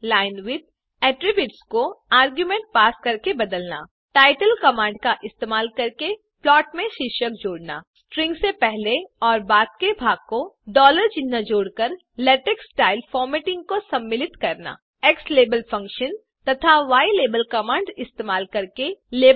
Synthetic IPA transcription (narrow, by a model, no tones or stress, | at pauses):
laːɪnʋɪd̪̚ | ɛːʈɾɪbjʊʈskoaːɾɡjumẽːɳʈ̚paːskɐɾkebɐd̪əlna̰ | ʈaːɪʈəlkɐmãːɳɖ̚kaʔɪst̪eːmaːlkɐɾke | plɔːʈmẽʃɪʃək̚d͡ʒoːɽna̰ːsʈɾɪ̃ŋɡsepɛɦleɔːɾbaːd̪̚kebʱaːɡ̚koɖɔːləɾd͡ʒɪnːad͡ʒoːɽkəɾ | lɛːʈeksʈaːɪlfɔːɾmeːʈɪ̃ŋɡ̚kosɐ̃mːɪlɪt̪kɐɾna̰ː | eksleːbəlfɐ̃ŋkʃən | t̪ɐt̪ʰaʋaːileːbəlkɐmãːɳɖɪst̪eːmaːlkɐɾkeleː